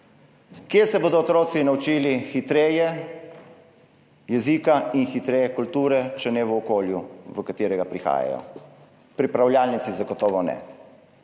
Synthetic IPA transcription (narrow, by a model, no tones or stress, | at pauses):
kjesɛboːd̪ɔːt̪ɾoːtsinaut͡ʃiːlixit̪ɾeːjɛ | jɛzikainxit̪ɾeːjɛkult̪uːɾɛt͡ʃɛnɛʋəɔkoːljuʋəkat̪iːɾɛɡapɾixa̰ːja̰jɔ̰ | pɾipɾawljaːlnit̪sizaɡɔt̪ɔːʋɔnɛ̰